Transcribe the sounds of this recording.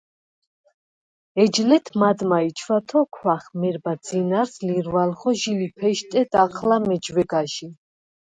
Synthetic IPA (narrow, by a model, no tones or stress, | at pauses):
ɛd͡ʒlɛt̪ʰmad̪mait͡ʃʰwat̪ʰɔkʰwaχmɛɾbad̪zinaɾsliɾvalχɔʒilipʰɛʃt̪ʼɛd̪̥aqʰlamɛd͡ʒwɛɡaʃi